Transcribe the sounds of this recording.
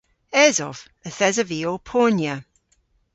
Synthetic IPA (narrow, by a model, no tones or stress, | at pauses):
ɛːzɔv | əθɛzəviːopʰɔːnjə